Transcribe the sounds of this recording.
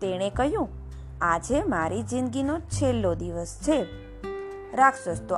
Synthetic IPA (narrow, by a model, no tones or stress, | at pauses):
t̪eɽ̃ekəɦjũ | ad͡ʒemaɾid͡ʒinɡinot͡ʃʰelːod̪iʋəst͡ʃʰe | ɾakʰsəd͡ʒt̪o